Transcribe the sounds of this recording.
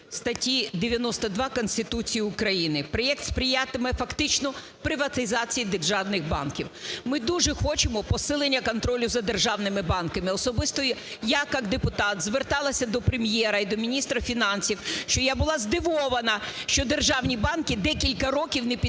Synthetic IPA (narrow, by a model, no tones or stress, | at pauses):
st̪ɐtʲid̪eʋʲjɐnɔst̪ɐd̪ʋɑkɔnʲsʲt̪ɪt̪ut͡sʲijiʊkɾɐjinɪpɾɔjɛk̚t̪spɾʲɪjat̪ɪmɛfɐkt̪ɪt͡ʃnɔ | pɾɪʋɐt̪ɪzɑt͡sʲijid̪erʒɑwnɪɣbɑ̰nkʲiwmɪd̪uʒɛxɔt͡ʃɪmɔpɔsɪlˠenʲːɐkɔnt̪ɾɔlʲʊzɐd̪erʒɑwnɪmɪbɑnkɐmɪɔsɔbɪst̪ɔjʊ | jakɑkd̪epʊt̪ɑt̪zʋert̪ɑlˠɐsʲɐd̪ɔpɾɪmjɛɾɐid̪ɔmʲinʲist̪ɾɐfʲinɑnsʲiwʃt͡ʃɔjabʊlˠɑzd̪ɪʋɔʋɐnɐʃt͡ʃɔd̪erʒɑwnʲibɑnkʲɪd̪ɛkʲilʲkɐɾɔkʲiwnɛpʲi